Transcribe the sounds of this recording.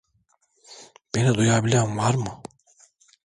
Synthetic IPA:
b̥enid̪ujabilʲæmvaɾmɯ

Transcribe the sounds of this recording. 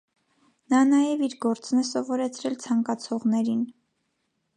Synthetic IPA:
nɑnɑjɛviɾɡɔɾt͡snɛsɔvɔɾɛt͡sʰɾɛlt͡sʰɑŋkɑt͡sʰɔʁnɛɾin

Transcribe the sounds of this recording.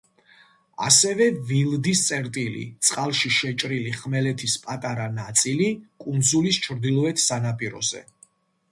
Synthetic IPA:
a̰sɛvɛvilˠd̪ist̪sʼɛɾt̪ʼilḭt̪sʼqʼalˠʃiʃɛt͡ʃʼɾiliχmɛlɛt̪ʰispʼat̪ʼaɾanat̪sʼilikʼund̪zulist͡ʃʰɾd̪ilˠɔɛt̪ʰsanapʼiɾɔ̰zɛ̰

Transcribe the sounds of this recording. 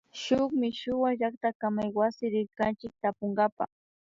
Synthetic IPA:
ʃʊkmɪʃʊwaʒak̚t̪akamajwasɪɾɪɾkant͡ʃɪk̚t̪apoŋɡapa̰

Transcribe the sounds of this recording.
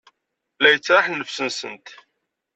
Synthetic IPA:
læjət͡sːɾˤɑħnːəfsənsə̰nt̪

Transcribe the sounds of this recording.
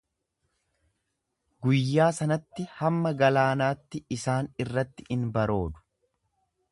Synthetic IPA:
ɡʊjːaːsɐnɐt̪ːɪhɐmːɐɡɐlaːnaːt̪ːɪɪsaːnɪrːɐt̪ːɪɪnbɐɾo̞ːd̪ʊ̥

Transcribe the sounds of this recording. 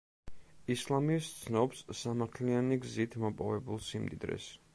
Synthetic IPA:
islˠamist̪sʰnɔpsːamaɾt̪ʰlianiɡzit̪ʰmɔpʼɔvɛbulˠsimd̪id̪ɾɛ̰s

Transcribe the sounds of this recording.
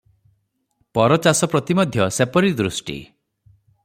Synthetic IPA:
pɔɾɔt͡ʃasɔpɾɔt̪imɔd̪ʱjɔsepɔɾid̪ɾusʈḭ

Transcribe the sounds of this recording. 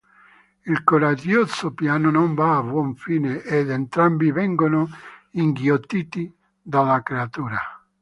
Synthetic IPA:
ilkoɾad͡ʒjɔt̪sopjaːnʊnɔɱvaːvwɔɱfiːneʔed̪ent̪ɾambivɛŋɡonʊiŋɡjot̪ːiːt̪i | d̪alakɾeat̪uːɾa

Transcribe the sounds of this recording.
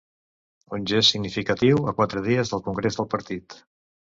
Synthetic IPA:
unʲʒesːiɡnifikət̪iwəkwat̪ɾəð̞iəzðəlˠkuŋɡɾezðəlˠpəɾt̪it̪

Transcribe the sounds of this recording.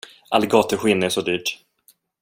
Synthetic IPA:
ʔa̰lːɡɑːt̪əɾɧɪnːɛʂɔd̪yːʈ

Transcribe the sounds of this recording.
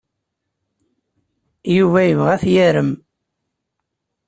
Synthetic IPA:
juvæjəvʁæθjæɾəm

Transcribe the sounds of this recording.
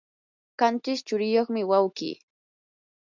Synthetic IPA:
kant͡ʃɪst͡ʃʊɾɪjoχmɪwawkḭː

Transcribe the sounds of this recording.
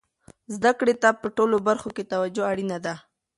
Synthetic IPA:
zd̪akɽet̪apəʈolobaɾxoket̪awad͡ʒoaɽinad̪a

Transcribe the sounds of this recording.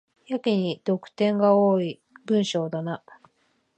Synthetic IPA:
jakʲiɲ̟id̪̥o̞kɯ̟̥t̪ẽ̞ŋɡaoːi | bɯ̟̃ɰ̃ɕo̞ːd̪ana

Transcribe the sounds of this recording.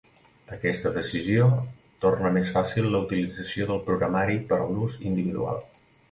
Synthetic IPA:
əkɛst̪əðəsizio | t̪ornəmesfasilˠːəut̪ilid͡zəsioðəlˠpɾuɣɾəmaɾipəɾluzind̪iβiðṵa̰lˠ

